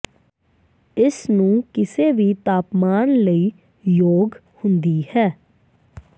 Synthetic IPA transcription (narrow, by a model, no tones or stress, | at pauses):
ɪsnũːkɪseːʋiːt̪aːpmaːnləiː | joːɡ | hʊ̃nd̪iːhɛː